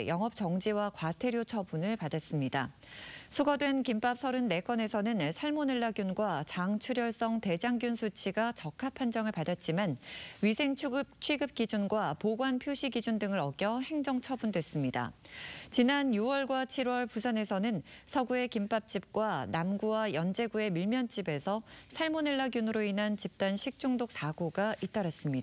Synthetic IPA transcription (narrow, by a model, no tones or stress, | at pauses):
jʌŋɦʌp̚t͡ɕʌŋd͡ʑiwakwatʰe̞ɾjot͡ɕʰʌbunɯɭpadas͈ɯmɲida | sʰuɡʌdwe̞nkimp͈ap̚sʰʌɾɯnːe̞k͈ʌne̞sʰʌnɯnsʰaɭmonɯɭːaɡjunɡwat͡ɕaŋt͡ɕʰuɾjʌɭs͈ʌŋte̞d͡ʑaŋɡjunsʰut͡ɕʰiɡat͡ɕʌkʰapʰand͡ʑʌŋɯɭpadat̚t͡ɕ͈imanɥisʰe̞ŋt͡ɕ̚ʰt͡ɕʰɥiɡɯp̚k͈id͡ʑunɡwapoɡwanpʰjoɕʰiɡid͡ʑundɯŋɯɾʌɡjʌhe̞ŋd͡ʑʌŋt͡ɕʰʌbundwe̞s͈ɯmɲida̰t͡ɕinanjuwʌɭɡwat͡ɕʰiɾwʌɭpusʰane̞sʰʌnɯnsʰʌɡue̞kimp͈ap̚t͡ɕ͈ip̚k͈wanamɡuwajʌnd͡ʑe̞ɡue̞miɭmjʌnt͡ɕ͈ibe̞sʰʌsʰaɭmonɯɭːaɡjunɯɾoinɦant͡ɕip̚t͈anɕʰik̚t͡ɕ͈uŋdok̚s͈ʰaɡoɡait͈aɾas͈ɯmɲida